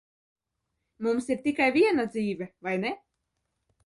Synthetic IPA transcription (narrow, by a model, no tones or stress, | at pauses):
mumsiɾt̪ikajvʲiɛnad̪ziːvʲɛvajne